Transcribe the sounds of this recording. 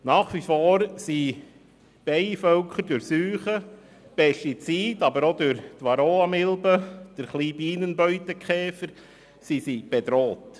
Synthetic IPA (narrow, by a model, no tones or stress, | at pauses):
nɑːχʋifoːɾsi | b̥ɛɪfœlkχəɾdʊɾsyːχə | b̥ɛʃit͡siːtɑbəɾod̪ʊɾt̪ʋɑɾoːɑmɪlbəd̥əɾχliːbiːnənbœʏtəkχɛːfəɾ | sisib̥ed̪ɾoːt̪